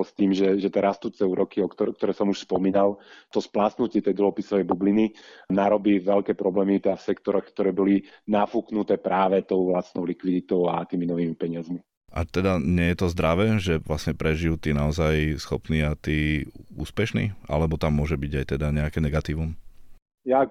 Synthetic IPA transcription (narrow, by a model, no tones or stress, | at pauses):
st̪iːmʒɛʒɛt̪ɛɾast̪uːt͡sɛuːɾɔkiɔkt̪ɔkt̪ɔɾɛːsɔmuʃspɔmiːnalt̪ɔsplaːsnucɪɛt̪ɛjd̪ɔɦɔpisɔʋɛjbublininaɾɔbiːʋɛlkɛːpɾɔblɛmit̪afsɛkt̪ɔɾɔxkt̪ɔɾɛːbɔlinafuknut̪ɛːpɾaːʋɛt̪ɔʊʋlast̪nɔʊlikʋid̪it̪ɔʊat̪iːminɔʋiːmipɛɲɪazmi | ʔa̰t̪ɛd̪aɲɪɛjɛt̪ɔzd̪ɾaʋɛːʒɛʋlasɲɛpɾɛʒijuːt̪iːnaɔzajsxɔpniːat̪iːṵːspɛʃnḭːa̰lɛbɔt̪amːʊɔʒɛbiɟajt̪ɛd̪aɲɛakɛnɛɡat̪iːʋum | ja